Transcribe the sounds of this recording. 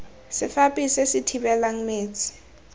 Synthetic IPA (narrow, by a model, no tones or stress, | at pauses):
sɪfapʼisesɪtʰibɛlaŋ̩meːt͡sʼɪ̥